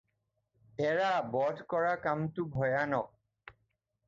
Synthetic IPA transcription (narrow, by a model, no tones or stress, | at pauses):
ɛɹabɔdʱkɔɹakamtʊbʱɔjanɔk̚